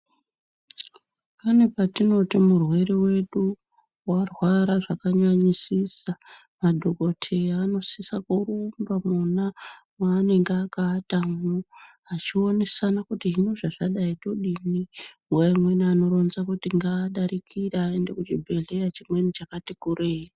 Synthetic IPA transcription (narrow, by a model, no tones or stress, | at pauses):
pane̞patino̞timurwe̞ɾewe̞ɗu | warwaɾaʐakaɲaɲisisa | madʱo̞ko̞tʰeano̞sisakurumbamuna | maːne̞ŋɡeakaːtamuɦat͡ʃio̞ne̞sanakutiɦinoʐaʐaɗaito̞ɗini | waimwe̞niano̞ɾo̞nzakutiŋɡaːɗaɾikʰiraende̞kut͡ʃibʱe̞ɮe̞jat͡ʃimwe̞nit͡ʃakatikurera